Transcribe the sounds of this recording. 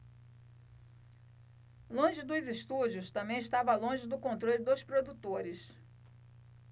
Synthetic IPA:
lõʒɪd̪ʊzɪʃt̪ud͡ʒʊst̪ɐ̃mbẽj̃ɪʃt̪avɐlõʒɪd̪ʊkõnt̪ɾolʲɪd̪ospɾod̪ut̪oɾɪs

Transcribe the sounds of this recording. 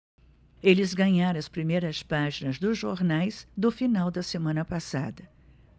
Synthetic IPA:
elɪzɡɐ̃ɲaɾɐ̃ɐspɾimejɾɐspaʒinɐzd̪ʊzʒoɾnajzd̪ʊfinawd̪ɐsemɐ̃nɐpasad̪ɐ

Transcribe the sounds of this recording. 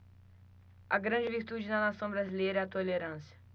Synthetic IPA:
ɐɡɾɐ̃d͡ʒɪviɾt̪ud͡ʒɪnɐnasɐ̃w̃bɾazilejɾɐɛat̪oleɾɐ̃sjɐ̥

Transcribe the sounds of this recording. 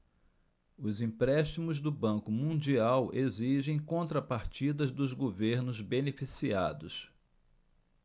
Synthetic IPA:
ʊzĩpɾɛʃt͡ʃimʊzd̪ʊbɐ̃kʊmũd͡ʒiaweziʒẽj̃kõnt̪ɾɐpaɾt͡ʃid̪ɐzd̪ʊzɡoveɾnʊzbenefisiad̪ʊs

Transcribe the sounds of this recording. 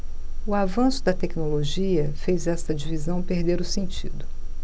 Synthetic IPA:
ʊavɐ̃sʊd̪ɐt̪ɛknoloʒiɐfejzɛst̪ɐd͡ʒivizɐ̃w̃peɾd̪eɾʊsẽnt͡ʃid̪ʊ

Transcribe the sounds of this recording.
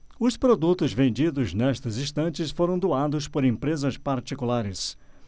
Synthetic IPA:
ʊspɾod̪ut̪ʊzvẽnd͡ʒid̪ʊznɛst̪ɐzĩst̪ɐ̃nt͡ʃɪsfoɾɐ̃w̃d̪oad̪ʊspoɾẽmpɾezɐspaɾt͡ʃikulaɾɪs

